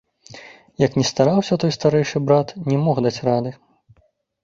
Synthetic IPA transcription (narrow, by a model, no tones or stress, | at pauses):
jɐknʲɛst̪aɾawsʲɐt̪ɔjst̪aɾɛjʂɨbɾat̪nʲɛmɔxd̪at͡sʲrad̪ɨ